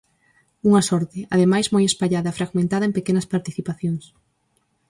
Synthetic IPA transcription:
uŋɐsɔɾt̪ɪað̞emajzmojespaʎaðɐfɾaɣmẽnt̪aðɐẽmpekenɐspaɾt̪iθipaθjoŋs

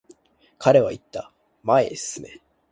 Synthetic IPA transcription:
kʰaɾe̞βait̪ːa | maesɨne̞̰

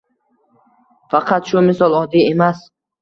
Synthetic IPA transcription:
faqʰat̪ʃumɪsɔlˠɒd̪iemas

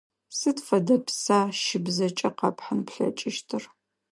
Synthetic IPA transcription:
sɨtfɐdɐpsaːʃɪbzɐt͡ʃʼɐqɑpħanpɬɐ̰t͡ʃʼɪʃtʰɨr

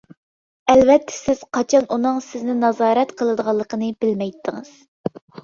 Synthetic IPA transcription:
ɛlvɛt̪ʰːɪ̥sɪz̥qʰɑt͡ʃʰɑnʔunɨŋsɪznɪnɑzɑːɾɛt̪qʰəlˠɨd̪əʁɑlˠːəqʰənɨbɪlmɛjt̪ʰːɨŋɨ̰z̥

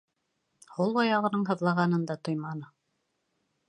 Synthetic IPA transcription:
hulˠɑjɑʁɤ̆nɤɴɦɤ̆ðlˠɑʁɑnɤ̆nd̪ɑt̪ojmɑnɤ

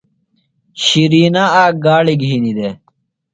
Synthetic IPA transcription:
ɕiɾiːnaaːɡaːɽiɡʱɦinid̪e

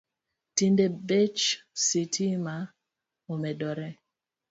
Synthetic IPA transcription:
tindebet͡ʃsitʰima | omɛdɔɾɛ

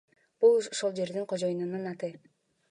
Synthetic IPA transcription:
b̥ulˠoʃolˠd͡ʒe̞ɾd̪iŋqʰod͡ʒo̞junɯnɯnɑt̪ɯ

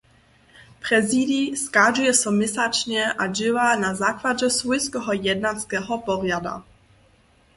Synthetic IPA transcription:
pɾɛzidiskaʒujɛsɛmɪsat͡ʃɲɛʔad͡ʑɪvanazaklad͡ʑɛsvujskɛɦɔjɛd̪nat͡skɛɦɔpɔrjada̰

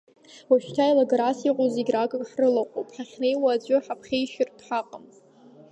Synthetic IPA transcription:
waʃᶣtʰajlaɡɾasiqʷʼozeɡʲrakʼakʼħrɨlaqʷʼo̰pʼħaχʲnejwaːd͡ʒʷʊħapʰχʲejʃɪrtʰʼħaqʼam

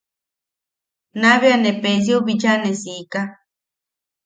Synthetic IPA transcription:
naβianepes̬jobid͡ʒanesika

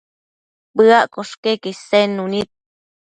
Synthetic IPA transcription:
bɨaʔkoʂkekisenːunit̪̚

